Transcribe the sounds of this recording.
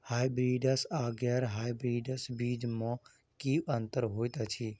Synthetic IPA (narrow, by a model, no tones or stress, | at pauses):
haːjbɾiːɖəsaːɡjaɾɦaːjbɾiːɖəsbiːd͡ʒmã | kiənt̪əɾɦoːt̪ət͡ʃʰiː